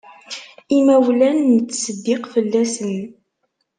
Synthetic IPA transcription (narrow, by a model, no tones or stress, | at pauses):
imæwlænːət͡sːsəd̪ːɪqfəlːæsən